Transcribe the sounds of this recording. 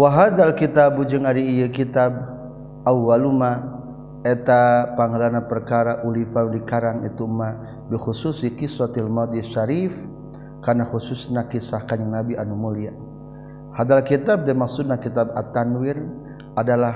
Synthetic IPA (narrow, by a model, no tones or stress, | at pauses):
waɦad̪alkit̪abud͡ʒʊŋaɾiːjəkit̪ab̚ | awwaluma | ɛt̪apaŋəlanapərkaɾaʔulifadikaɾaŋḭt̪uma | bixususikisɔt̪ilmat̪̚jaʃaɾif | karnaxususnakisahkaɲaŋnabiʔanumulia | had̪alkit̪ab̚damaksud̚nakit̪aba̰t̪anwɪr | ʔadala